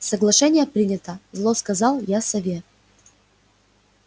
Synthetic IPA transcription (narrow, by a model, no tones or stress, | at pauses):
səɡlˠɐʂɛnʲɪjəpɾʲinʲɪt̪əzlˠoskɐzɑlˠjasɐvʲe